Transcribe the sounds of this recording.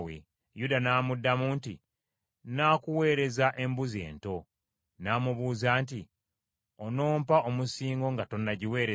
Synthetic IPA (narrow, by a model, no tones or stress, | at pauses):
wḛ | judanaːmudːamuːnti | naːkuwe̞ːɾe̞zaʔe̞mbuze̞̰ːnto̞ | naːmuβuːzaːnti | ono̞ːmpaʔomusiːŋɡo̞ŋɡato̞nːaɟiwe̞ːɾe